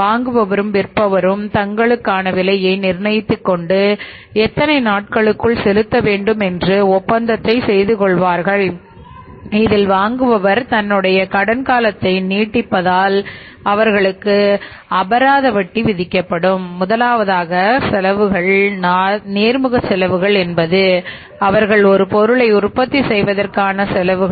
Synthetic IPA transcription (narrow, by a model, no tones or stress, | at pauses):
ʋaːŋɡɯʋɐʋɐɾɯmʋɪrpːɐʋɐɾɯmt̪ɐŋɡɐɭɯkːaːnɐʋɪlɐjɐɪnɪɾnɐjɪt̪ːɯkːɔɳɖɯ | ɛt̪ːɐnɐɪnaːʈ̚kɐɭɯkːɯɭsɛlɯt̪ːɐʋeːɳɖɯmɛndrɯɔpːɐnd̪ɐt̪ːɐɪsɛjðɯkɔɭʋaːɾɣɐɭ | ɪðɪlʋaːŋɡɯʋɐʋɐɾt̪ɐnːɯɽɐjɐkɐɽɐnkaːlɐt̪ːɐɪniːʈːɪpːɐðaːl | ɐʋɐɾɣɐɭɯkːɯ | ɐbɐɾaːðɐʋɐʈːiʋɪðɪkːɐpːɐɽɯmːʊðɐlaːʋɐðaːɣɐsɛlɐʋɯɣɐɭnːneːɾmɯɣɐsɛlɐʋɯɣɐɭɛnbɐðɯ | ɐʋɐɾɣɐɭɔɾɯpɔɾɯɭɐɪʊɾpɐt̪ːisɛjʋɐðɐrkaːnɐsɛlɐʋɯ